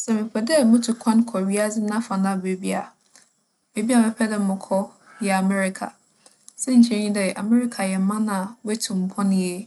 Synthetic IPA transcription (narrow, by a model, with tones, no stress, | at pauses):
sɛ˨mɪ̃˨kʰɛ˨dɛ˦mʊ̃˦tʰu˨kʷʰã˦n˦kʰɔ˨ɥi˦a˦d͡zɪ˦nã˦fã˨nã˦˨be˨bi˦a˨ | be˨bi˦a˨mɪ̃˦pʰɛ˦dɪ˦mʊ̃˨kʰɔ˦ | jɛ˨a˨mɛ˦ɾɪ˨kʰa̰˨ | sɛ˦ɲ̩˨t͡ɕʰɛ̃˦ɲĩ˦dɛ˨ʔa˨mɛ˦ɾɪ˦kʰa˨jɛ˨˦mã˦nã˨wɛ˦tʰũ˨m̩˨pʰɔ̃˦nɪ̃˦jɛ˦